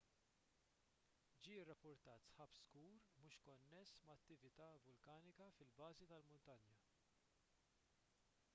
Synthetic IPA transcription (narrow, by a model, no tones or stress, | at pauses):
d͡ʒiːrːɐpːʊɾt̪ɐːt̪sħɐpskuːɾmuːʃkɔnːɛsmɐːt̪ːɪvɪt̪ɐːvʊlkɐːnɪkɐfɪlbɐːzit̪ɐlmʊnt̪ɐnjɐ